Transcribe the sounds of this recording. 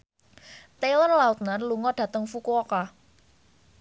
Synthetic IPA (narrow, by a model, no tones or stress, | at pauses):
t̪elərlaut̪̚nərluŋɔɖ̥ä̤t̪əŋfukuɔka